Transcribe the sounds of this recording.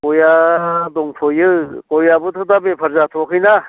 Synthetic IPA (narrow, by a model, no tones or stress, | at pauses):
kojad̪oŋpʰojɯkojabut̪ʰɯd̪abepʰɐɾzat̪ʰokʰɯjna